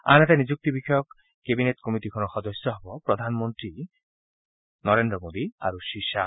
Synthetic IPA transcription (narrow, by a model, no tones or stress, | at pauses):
a̰net̪anid͡ʑuk̚t̪ibikʰɔjɔkː | ebinet̪kɔmit̪ikʰɔnɔxɔd̪ɔsːɔɦɔbɔpɾɔd̪ʱanmont̪ɾi | nɔɾend̪ɾɔmod̪ia̰ɾuʃiʃa